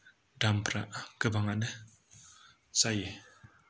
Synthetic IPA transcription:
dampɾa̰ʔkəbaŋanə | saje

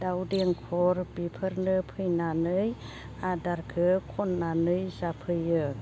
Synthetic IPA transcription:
dawdiəŋkʰɔɾbipʰəɾnɯpʰɯjnanɯj | adaɾkʰɯkʰɔnːanɯjzapʰɯjɯ

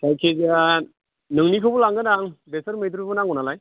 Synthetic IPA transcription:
kʰajkʰeɡa | nɯŋnikʰɯbulaŋɡɯnaŋbesɯɾmɯjd̪ɾubunaŋunalaj

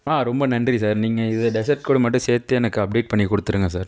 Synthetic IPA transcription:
aːɾɔmbɐnɐndrisaːɾniːŋɡɐɪðɯɖɛs̬ɐɾʈ̚koːɽɯmɐʈːɯ̃seːɾt̪ːɯɛnɐkːɯɐp̚ɖeːʈ̚pɐɳːikɔɽɯt̪ːɯɾɯŋɡɐsaːɾ

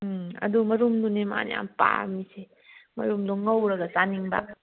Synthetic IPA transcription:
ɐ̰d̪umɐɾumd̪unema̰n̰a̰mpa̰mise | mɐ̰ɾumd̪uŋɐwɾaɡasaniŋba̰

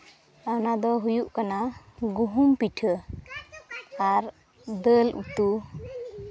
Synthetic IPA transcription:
anad̪ɔɦujuʔkanaɡuɦumpiʈʰə | aɾ | d̪əlṵt̪u

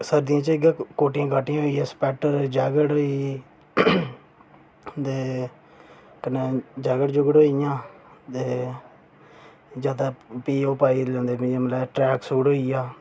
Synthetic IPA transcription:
səɾd̪ɪjãːt͡ʃəɪɡaːkoːʈɪjãːɡaːʈɪjãɦoːiːãːspɛːʈəɾd͡ʒaːɡəɽoːiː | d̪eː | kəneːd͡ʒaːɡəɽd͡ʒʊɡəɽoːijãːt̪eː | d͡ʒaːd̪aːpiːoːpaːiːlɛ̃ːnd̪eːmɪ̃d͡ʒãːməlɛːʈɾɛːksuːɽɦoːiːjaː

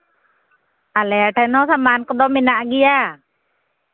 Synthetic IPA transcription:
ʔalɛʈʰanɔsamankəd̪ɔminaʔɡija

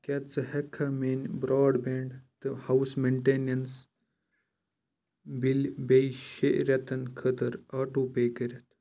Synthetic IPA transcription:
kʲɐt͡sɐhekʰːɐmeːnbɾaːɖbeːɳɖt̪ɨhɐwsmeɳʈeːnɐns | bilbejʃeʔɾɐt̪ɐnkʰət̪ɐɾaːʈupeːkəɾʲɐt̪ʰ

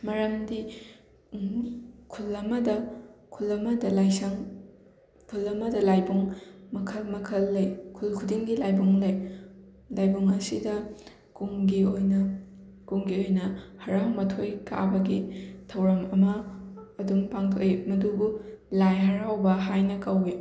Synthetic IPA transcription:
mɐɾɐmdi | kʰulːɐmɐdɐkʰulɐmɐdɐlajsɐŋ | kʰulɐmɐdɐlajbuŋmɐkʰɐlmɐkʰɐlːɐjkʰulkʰudiŋɡilajbuŋlɐj | lajbuŋɐsidɐ | kuŋɡiojnɐ | kuŋɡiojnɐhɐɾawmɐtʰojkʰa̰bɐɡitʰɐwɾɐmɐmɐː | duŋpaŋtʰoʔimɐdubulajɦɐɾawbɐɦajnɐkɐwi

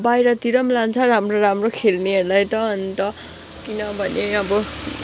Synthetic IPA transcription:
bajɾʌt̪iɾʌmlant͡sʰʌɾamroɾamrokʰelneɦʌɾulajt̪ʌːnt̪ʌ | kinʌbʱʌneʌbʌ

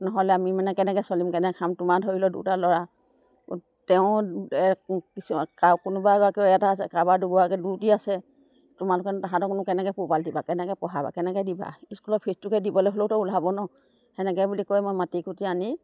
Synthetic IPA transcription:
nɔɦɔlɛamimanɛkɛnɛkɛsɔlimkɛnɛkʰamtʊmadʱoɹilɔdṵtalɔɹa | tɛʊ̃ɛkiskakʊnʊbaɡakiɛjataasɛ̰kabaɹduɡuakɛdutiasɛ | tʊmalʊkɛntaɦãtɔkʊnʊkɛnɛkɛpupaldibakɛnɛkɛpɔɦaba̰kɛnɛkɛdiba̰iskulɔt̚pʰesbukɛdibɔlɔɦolotɔulabɔnɔ | hɛnɛk̬ɛbulikɔjmojmatikutiani

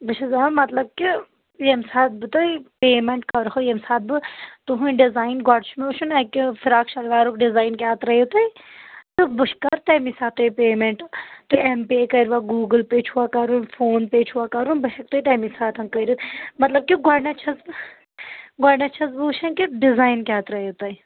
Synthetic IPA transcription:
bɨt͡ʃʰɐzamɐt̪lɐb̚ki | jemsaːt̪̚bɨt̪ɨipeːmeɳʈkɐɾɦojemsaːt̪̚bɨt̪uɦũɖizaːinɡɐɽt͡ʃʰumuːʃʰunɐkifiɾaːkʃɐlʋaːɾukɖizaːinkaːt̪ɾɐjit̪uit̪ɨbɨʃkɐɾt̪ɐmisaːt̪ujpeːmeɳʈt̪uempeːkɐiɾʋaːɡuːɡɨlpeːt͡ʃʰuʋaːkɐɾunfʰoːnpeːt͡ʃʰuaːkɐɾunbɐɦek̚t̪uit̪ɐːmisaːt̪ʰɐnkɐɾit̪mɐt̪lɐb̚kʲiɡɔɽnɐt͡ʃʰɐzbɨ | ɡɐɽnɐt͡ʃʰɐzbɨːʃʰɐnkiɖɪzaːjnkʲaːt̪ɾɐjot̪ɐj

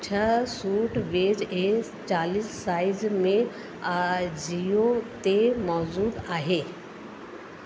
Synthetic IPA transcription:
t͡ɕʰəsuːʈʋeːd͡ʑe | t͡ɕaːliːsːaːɪzmẽ | d͡ʑiot̪emɔːzuːd̪aːɦeː

